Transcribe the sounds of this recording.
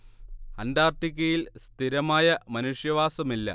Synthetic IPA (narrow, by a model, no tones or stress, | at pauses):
ɐndaːrʈik̬ʲːɐjilst̪ʰiɾɐmaːjɐmɐnuʂjɐʋaːsɐmilːɐ̰